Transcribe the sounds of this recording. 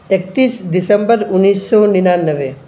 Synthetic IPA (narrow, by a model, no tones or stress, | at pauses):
ek̚t̪iːsd̪ɪsə̃mbəɾʊnːiːsːɔnɪnanːəʋe